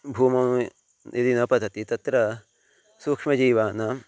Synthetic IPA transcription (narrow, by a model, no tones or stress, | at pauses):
bʱuːmɐm | jɐd̪inɐpɐd̪ɐt̪it̪ɐt̪ɾɐ | suːkʂmɐd͡ʒiːʋaːnɐ